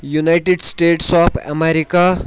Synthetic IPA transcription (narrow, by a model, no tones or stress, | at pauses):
junajʈeɖsʈeʈsɔpʰɛ̰meɾika